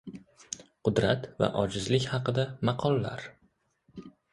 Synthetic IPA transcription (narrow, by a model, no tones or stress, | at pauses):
qʰʊd̪ɾat̪va̰ʔɒd͡ʒɪzlɪkʲhɑqɨd̪amɑqʰɒlˠːa̰ɾ